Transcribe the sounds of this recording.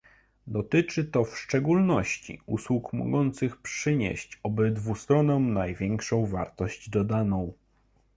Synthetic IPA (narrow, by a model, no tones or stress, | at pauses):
d̪ɔt̪ɘt͡ʂɘt̪ɔfʂt͡ʂɛɡulnɔɕt͡ɕḭṵswukmɔ̰ɡɔnt̪sɘxpʂɘɲḛɕt͡ɕɔbɘd̪vust̪ɾɔnɔw̃najvʲjɛŋkʂɔ̃w̃va̰ɾt̪ɔɕd͡ʑd̪ɔd̪anɔ̃w̃